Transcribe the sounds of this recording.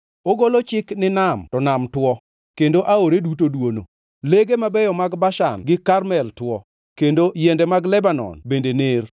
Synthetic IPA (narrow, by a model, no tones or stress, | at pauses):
oɡolot͡ʃɪknɪnamtɔnamtwɔ | kendoʔaoɾedutodwono̰ | leɡemabɛjɔmaɡbaʃa̰nɡɪkarmɛltwɔ | kendojɛndɛmaɡlɛbanɔ̰nbendener